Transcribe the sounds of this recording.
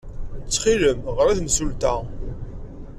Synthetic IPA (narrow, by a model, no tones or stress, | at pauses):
t͡sːχiləmʁəɾæθnsult̪æ